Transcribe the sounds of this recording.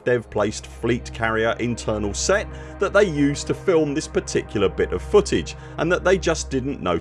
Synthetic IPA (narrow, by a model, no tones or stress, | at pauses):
d̥ɛv̥pʰl̥eɪstfliˑtkʰæɹiəɹʔɪ̃ntʰɜ˞nəlˠsɛt̪̚ | ðəʔ̪̚ðeɪjʉˑstʰəfɪlˠmðɪspʰətʰɪkʰjl̩ˠəbɪɾə̰v̥fʊɾɪd͡ʒ | ʔə̃nðəʔ̪̚ðeɪd͡ʒʌsd̥ɪdⁿn̩nə̰ʊ